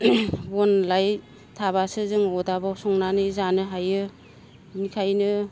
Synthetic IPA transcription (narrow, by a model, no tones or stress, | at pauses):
bɔnlaj | tʰaβasɯzɯŋɔdabasɔŋnanɯzanɯɦajɯ | nikʰajnɯ